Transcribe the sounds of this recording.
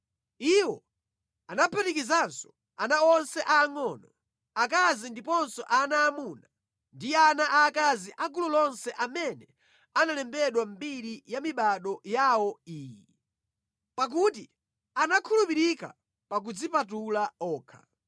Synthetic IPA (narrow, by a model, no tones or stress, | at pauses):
iwɔ̰ | anapʰɛtikizansɔ̥ | anaɔnsɛʔaːŋɔnɔ | ak̬azindipɔnsɔʔanaːmuna | ndianaʔaːkaziʔaɡulɔlɔnsɛʔamɛnɛ | analɛmbɛɗwambiɾijamiɓaɗɔjawɔiːji | pak̬ut̬i | anakʰulupiɾika̰ | pak̬ud͡zipatulaɔːkʰḁ